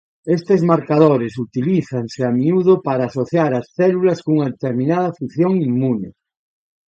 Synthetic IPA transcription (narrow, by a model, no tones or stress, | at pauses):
est̪ezmaɾkað̞oɾesut̪iliθaŋseamiuð̞opaɾaːsoθjaɾasθɛlulaskouŋaðet̪eɾmĩnað̞ɐfuθjoŋimːune